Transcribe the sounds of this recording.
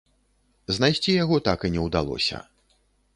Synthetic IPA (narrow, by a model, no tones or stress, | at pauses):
znajsʲt͡sʲijaɣɔt̪akinʲɛwd̪alˠɔ̰sʲɐ̰